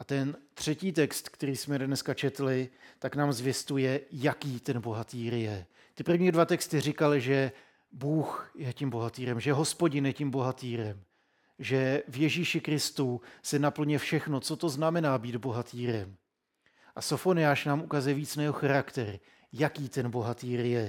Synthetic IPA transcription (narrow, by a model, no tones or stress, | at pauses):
ʔat̪ɛnt̪r̝̥ɛciːt̪ɛkst̪kt̪ɛɾiːsmɛdnɛskat͡ʃɛt̪lɪt̪aknaːmzvjɛst̪ujɛjakiːt̪ɛnbo̞ɦat̪iːɾjɛ | t̪ɪpr̩vɲiːdvat̪ɛkst̪ɪr̝ɪkalɪʒɛ | buːxjɛcimbo̞ɦat̪iːɾɛmʒɛɦo̞spo̞ɟɪnjɛcimbo̞ɦat̪iːɾɛm | ʒɛvjɛʒiːʃɪkɾɪst̪usɛnapl̩ɲɛfʃɛxno̞t͡so̞t̪o̞znamɛnaːbiːd̪bo̞ɦat̪iːɾɛm | ʔasofo̞nɪjaːʃnaːmʔukazujɛviːt͡snajɛɦoxaɾakt̪ɛɾ | jakiːt̪ɛnbo̞ɦat̪iːɾjɛ